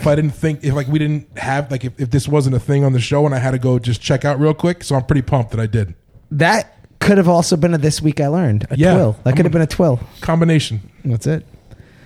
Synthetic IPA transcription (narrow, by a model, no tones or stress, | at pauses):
faɪɾɪdⁿn̩θɪ̃ŋkɨflaɪkwiɾɪdⁿn̩t̚hɨvlaɪkɨfɨfðɪswʌzn̩tɨθɪ̃ŋə̃nðɨʃoʊə̃naɪɨd̚tɨɡoʊd͡ʒʌst͡ʃʰɛkaʊt̚ɹilˠkʰw̥ɪksoʊãɪmpɹ̥ɪɾipʰʌ̃mp̚ðɨɾaɪdɪdⁿn̩ | ðɨt̚kʰʊɾɨvɔlˠsoʊbɨ̃nɨðɪswikaɪlɜ̃˞ndɨjæwɪlˠðət̚kʊɾɨvbɨ̃nɨtʰw̥ɪlˠkʰɑ̃mbɨneɪʃn̩wʌtsɪt̚